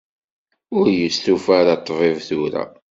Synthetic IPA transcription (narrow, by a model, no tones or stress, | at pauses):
ʊɾjəst̪ufaɾɑt̪ˤːvˤevθʊɾæ̰